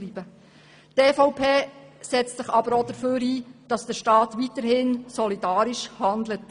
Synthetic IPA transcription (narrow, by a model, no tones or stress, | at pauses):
ɾiːb̥ə | tɛːfɔʊwpʰeː | sɛt͡stsɪχɑbəɾodəɾføːɾiːd̥ɑsd̥əʃtɑːtʋitəɾhɪnsɔlidɑːɾɪʃhɑnd̪lət